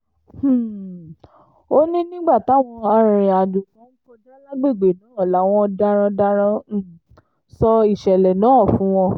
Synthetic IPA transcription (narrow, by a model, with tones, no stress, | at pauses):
h̩˦˨ | o˦nĩ˦nĩ˦ɡ͡ba˦˨ta˨˦˨w̃ɔ̃˧a˧ɾ̃ɾĩ˨a˨du˨fɔ̃˨˦n̩˦fɔ˧da˦la˦ɡ͡be˦˨ɡ͡be˨nã˨˦˨la˨˦w̃ɔ̃˧da˧ɾ̃ã˧da˧ɾ̃ã˧˦˨ | sɔ˧i˦˨ʃɛ˨lɛ˨nãː˨˦˨fũ˨˦w̃ɔ̃˧